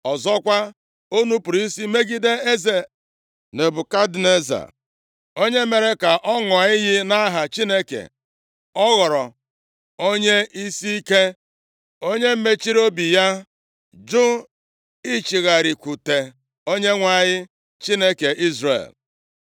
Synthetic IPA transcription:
ɔ˨zɔ˦kʷa˦ | o˦nu˦pʊ˨ɾi˦si˦me˦ɡi˦de˦e˦ze˨ | ne˨bʊ˨ka˦dne˦za̰˨ | o˦ɲe˦me˨ɾe˦ka˨ʔɔ˦ŋʊ˨a˨ɲɪ˦ɣɪ˦na˦ɦa˨t͡ʃi˦ne˦kḛ˨ | ɔ˦ɣɔ˨ɾɔ˨ | o˦ɲe˦ʔi˦si˦i˦ke˦ | o˦ɲe˦m̩˦me˦t͡ʃi˦ɾo˦bi˨ja˦ | d͡ʒʊ˦ | i˦t͡ʃi˨ɣa˨ɾi˨kʷu˨te˨ | o˦ɲe˦ŋʷa˨ɲɪ˦ | t͡ʃi˦ne˦ke˨ʔi˦zɾḛ˨l

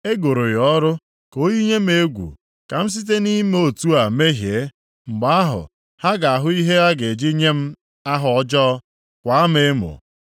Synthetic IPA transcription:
e˦ɡo˨ɾo˨jɔ˦ɾʊ˦ | ko˦ji˦ɲe˦m̩e˦ɡʷṵ˨ | ka˨m̩˦s̬i˦t̬e˦ni˦m˦o˨tu˦a˨me˦ɦje˨˦ | ŋ͡m̩˨ɡ͡ba˦a˦ɦʊ̰˨ | ha˦ɡa˨a˨ɦʊ˦i˦ɦe˦a˦ɡe˨d͡ʒi˦ɲe˦m̩˦ | a˦ɦʊ˨ɔ˦d͡ʒɔ˦ | kʷa˨a˦me˦mʊ̰˨

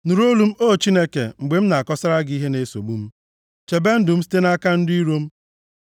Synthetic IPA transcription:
nu˨ɾo˦lu˨m̩˦o˦˨t͡ʃi˦ne˦kḛ˨ŋ͡m̩˨ɡ͡be˨m̩˦na˨a˨kɔ˦sa˦ɾa˦ɡi˦ɦe˦ne˨so̰˨ɡ͡bu˦m̩˦ | t͡ʃe˨be˦n̩˦dʊ˨m̩˦si̥˦te˦na˦ka˦n̩˦dʊ˦i˦ɾo˦m̩˦

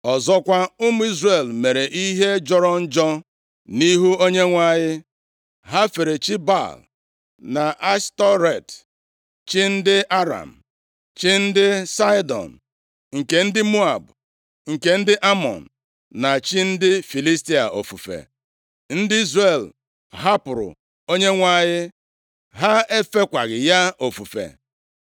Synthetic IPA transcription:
ɔ˨zɔ˦kʷa˦ʊ˦mʊ˦i˦zre˨lme˨ɾe˨ʔi˦ɦe˦d͡ʒɔ˦ɾɔ˦n̩˦d͡ʒɔ˦ | ni˦ɦu˦o˦ɲe˦ŋʷa˦ɲɪ˦ | ɦa˦fe˨ɾe˨t͡ʃi˦ba̰˦˨l | na˨ʔa˦stɔ˦ɾe˨t | t͡ʃi˦n̩˦dɪ˦ʔa˦ɾa̰˨m̩˨ | t͡ʃi˦n̩˦dɪ˦sa˦jdɔ̰˨n̩˨ | ŋ̩˨ke˨n̩˦dɪ˦mu˦a˨b | ŋ̩˨ke˨n̩˦dɪ˦ʔa˦mɔ̰˨n̩˨ | na˨t͡ʃi˦n̩˦dɪ˦fi˨li˦sti˦a˨ʔo̰˨fu˨fḛ˨ | n̩˦dɪ˦i˦zre˨l | ɦa˦pʊ˨ɾʊ̰˨ | o˦ɲe˦ŋʷa˦˨ɲɪ˦ | ɦa˦e˦fe˦kʷa˨ɣɪ˨ja˦o˨fu˨fḛ˨

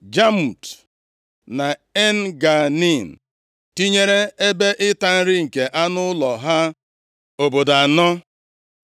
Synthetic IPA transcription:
d͡ʒa˦mu˨t | na˨e˦n˦ɡa˨ni˦˨n̩˨ | ti˦ɲe˦ɾe˦e˦be˦ʔɪ˦ta˦n̩˦ɾɪ˦ŋ̩˨ke˨ʔa˦nʊ˦lɔ˨ɦa˦ | o˨bo˨da˨a˨nɔ˦

